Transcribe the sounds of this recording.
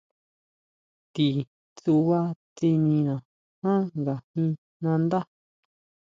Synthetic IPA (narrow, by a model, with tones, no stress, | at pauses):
t̪i˨ | t͡su˧βa˦t͡s̪i˧nĩ˧nã˨ | hã˦ŋɡa˨hĩ˧ | nã˧nd̪a˦